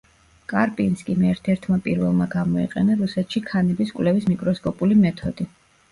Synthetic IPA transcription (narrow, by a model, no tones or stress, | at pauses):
kʼaɾpʼinskʼimɛɾt̪ʰɛɾt̪ʰmapʼiɾvɛlˠmaɡamɔḭqʼɛ̰naɾusɛt̪ʃikʰanɛbiskʼwlɛvismikʼɾɔskʼɔpʼulimɛt̪ʰɔd̪̥i